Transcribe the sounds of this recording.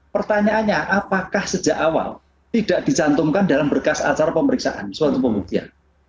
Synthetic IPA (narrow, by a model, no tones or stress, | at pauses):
pərt̪aɲaʔaɲaʔapakahsə̥ʒ̥a̤ʔawa̰l | t̪id̥aʔd̥i̤t͡ʃant̪ʊŋkandalambərkasa̰t͡ʃaɾapəməɾiksa̰ʔa̰nswat̪upəmbuk̚t̪ia̰n